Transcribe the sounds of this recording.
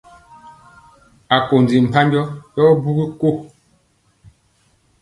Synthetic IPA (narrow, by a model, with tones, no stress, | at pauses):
a˨ko˨n˨d͡zi˨m̩˨pa˦mbjɔ˦jɔ˦bu˦ɡi˦ko˦˨